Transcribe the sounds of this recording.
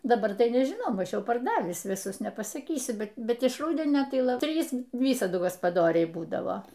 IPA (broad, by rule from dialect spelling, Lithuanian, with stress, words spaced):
dɐˈbɐr tɐɪ nʲɛʒʲɪˈnɐʊ ˈmɐʃ ˈjɛʊ pɐrˈdɑːʋʲiːs ʋʲɪˈsʊs nʲɛpɐsɐˈkʲiːsʲʊ bʲɛt ɪʃ ˈruːdʲɛnʲoː tɐɪ ˈlˠɐ ˈtʲrʲiːs ˈʋʲiːsɐdʊ ɡɐspɐˈdoːrʲɛɪ ˈbuːdɐʋoː